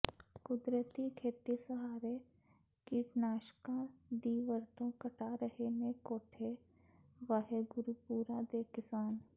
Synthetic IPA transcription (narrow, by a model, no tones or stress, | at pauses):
kʊd̪ɾət̪ikʰeːt̪isəɦaːɾe | kiʈnaːʃkãd̪iːʋəɾt̪õkəʈʰaɾəɦenekoːʈʰe | ʋəɦeɡʊɾupuːɾad̪eːkɪsaːn